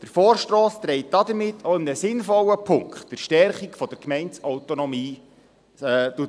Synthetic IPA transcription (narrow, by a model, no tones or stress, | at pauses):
d̥əɾfoːrʃtɾoːst̪ɾɛɪt̚d̥ɑd̪əmɪtʰːoɪmnəsɪnfɔlːəpʰʊŋkχtd̥əɾʃtɛrχikfɔd̥əɾkmɛɪntsɔʊtonɔmiː | tuə